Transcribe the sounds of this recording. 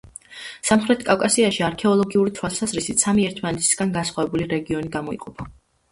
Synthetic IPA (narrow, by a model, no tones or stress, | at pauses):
samχɾɛt̪ʰkʼafkʼasiaʃiaɾkʰɛɔlˠɔɡiuɾit̪ʰwalˠsazɾisit̪samiɛɾt̪ʰmanɛt̪ʰi̥sɡ̥anɡasχwavɛbuliɾɛɡiɔniɡamɔḭqʼɔpʰa